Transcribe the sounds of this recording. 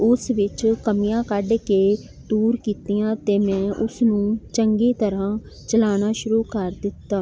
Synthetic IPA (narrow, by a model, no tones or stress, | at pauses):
ʊsʋɪt͡ʃkəmijãːkəɖkeː | d̪uːɾkiːt̪ijãːt̪eːmɛ̃ːʔʊsnũːt͡ʃəŋɡiːt̪əɾãː | t͡ʃəlaːnaːʃʊɾuːkəɾd̪ɪt̪ːaː